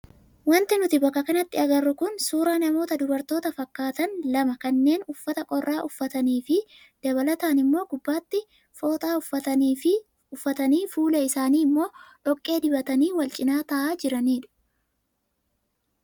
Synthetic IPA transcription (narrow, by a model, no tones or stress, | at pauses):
wɐnt̪ɪnʊt̪ɪbɐkːɐkɐnɐt̪ːɪɐɡɐrːʊkʊnsuːɾaːnɐmo̞ːt̪ɐd̪ʊbɐɾt̪o̞ːt̪ɐfɐkːaːt̪ɐnlɐmɐkɐnːe̞ːnʊfːɐt̪ɐkʼɔrːaːʔʊfːɐt̪ɐniːfɪ | d̪̥ɐβɐlɐt̪aːnɪmːo̞ːɡʊbːaːt̪ːɪ | foːt̪ʼaːʊfɐɐː | ʊfːɐt̪ɐniːfuːlɐɪsaːniːɪmːo̞ːᶑɔkʼːe̞ːd̪ɪbɐt̪ɐniːwɐlt͡ʃʼɪnaːt̪ɐʔaːd͡ʒɪɾɐniːᶑʊ̥